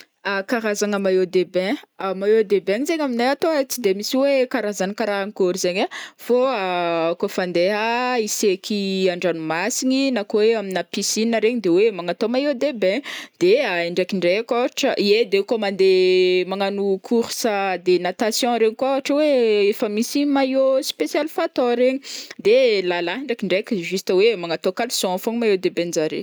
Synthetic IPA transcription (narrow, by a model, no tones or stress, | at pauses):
akaɾazaŋəmajod̪ebɛ̃amajod̪ebɛ̃ɲizeɲaminajat̪oat͡sid̪emisiwekaɾazanikaɾaaŋikoɾizeɲafoaakofand̪eaisekʰiaɳɖ͡ʐanumasiɲinakoweaminapisinəɾeɲid̪ewemaŋat̪omajod̪ebɛ̃d̪̥eaeɳɖ͡ʐakiɳɖ͡ʐekoʈ͡ʂəʔied̪ekomand̪emaŋanukʰuɾsəd̪enat̪asjɔ̃ɾeɲikuaaʈ͡ʂəweefəmisimajospesjalfat̪oɾeɲid̪elalaɦiɳɖ͡ʐakiɳɖ͡ʐekʲiʒust̪əwemaŋat̪okalsɔ̃foŋmajed̪ebẽnzaɾḛ